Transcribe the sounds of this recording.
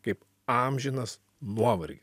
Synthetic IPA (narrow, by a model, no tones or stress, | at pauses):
kɐɪp | ɑːmʲʒʲɪnɐs | nuɔʋɐɾʲɡʲɪ